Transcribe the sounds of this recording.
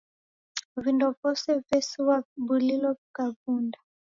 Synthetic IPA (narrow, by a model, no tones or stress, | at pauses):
vindɔvɔsɛvɛsiwabulilɔikavunda